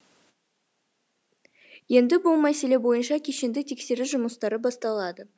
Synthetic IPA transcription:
je̞nd̪ɪbʊlˠmæse̞le̞bo̞jənʃɑkʲʰe̞ʃe̞nd̪ɪt̪ʰe̞kse̞ɾɪʒʊməst̪ɑɾəbɑst̪ɑlˠɑd̪ə

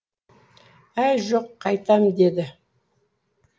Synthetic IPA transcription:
æjʒoqʰːɑjt̪ɑmd̪e̞d̪ɪ

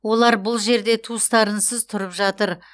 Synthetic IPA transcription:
wo̞lˠɑɾbʊlˠʒe̞ɾd̪e̞t̪ʰust̪ɑɾənsəzt̪ʰʊɾəpʒɑt̪əɾ

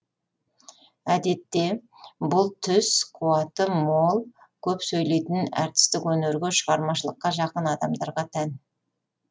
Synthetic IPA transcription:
æd̪e̞t̪ːe̞ | bʊlˠt̪ʰʏsqʰuɑt̪əmo̞lˠ | kʲʰɵpsɵjle̞jt̪ɪnæ̰ɾt̪ɪ̥st̪ɪkwɵneɾɡʲeʃəʁɑɾmɑʃəlˠəqːɑʒɑqənɑd̪ɑmd̪ɑɾʁɑt̪ʰæn

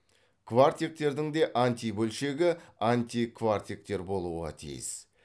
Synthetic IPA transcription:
kʰvart̪ʲjek̚t̪e̞ɾd̪ɪŋd̪e̞ʔanʲt̪ʲijbɵlʃe̞ɡʲɪanʲt̪ʲikʰvart̪ʲiek̚t̪e̞ɾbo̞lˠuʁɑ̰t̪ʰḭjɪ̰z̥

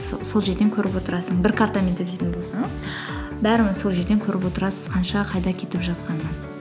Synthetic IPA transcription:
so̞lˠʒe̞ɾd̪e̞ŋkʲʰɵɾɪpwo̞t̪əɾɑsəɴbɪɾkʰaɾt̪ame̞nt̪ɪlet̪ɪnbo̞lˠsɑɴəz | bæɾɪmso̞lˠʒe̞ɾd̪ekʲʰɵɾɪpwo̞t̪əɾɑsəz̥qʰɑnʃɑqʰɑjd̪ɑkʲʰe̞t̪ɪpʒɑt̪̚qɑnə

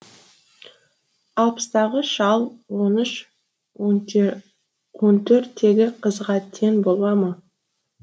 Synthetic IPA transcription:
ɑlˠpə̥st̪ɑʁəʃɑlˠwo̞nʏʃ | wont̪ʰɵɾt̪ʰːe̞ɡʲɪqʰəzʁɑt̪ʰːe̞nbo̞lˠɑmɑ

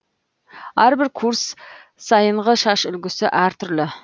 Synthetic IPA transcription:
æɾbɪɾkʰuɾs | sɑjəɴʁəʃɑʃʏlɡʲɪsɪʔæɾt̪ʰʏɾlɪ

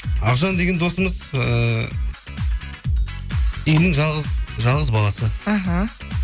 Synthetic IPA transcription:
ɑʁʒɑnd̪e̞ɡʲe̞nd̪o̞səməzə | ijnɪŋʒɑlˠʁəzʒɑlˠʁəzbɑlˠɑsəaɦa

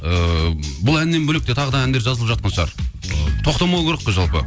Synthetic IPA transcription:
əbʊlˠænːe̞nbɵlek̚t̪e̞t̪ʰɑʁəd̪ɑænd̪eɾʒɑzlˠəpʒɑt̪̚qɑnʃɑ̰ɾ | t̪ʰo̞qt̪ɑmɑw̪ˠkʰʲeɾəqːəʒɑlˠpə

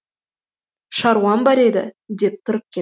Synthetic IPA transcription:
ʃɑɾwɑnbɑɾe̞d̪ɪ̰d̪e̞p̚t̪ʰʊɾəp̚kʲʰe

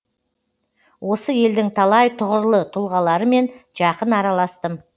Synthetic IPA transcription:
wʔo̞səje̞ld̪ɪŋt̪ʰɑlˠɑjt̪ʰʊʁəɾlˠət̪ʰʊlˠʁɑlˠɑɾəme̞nʒ̥ɑqənɑɾɑlˠɑst̪əm

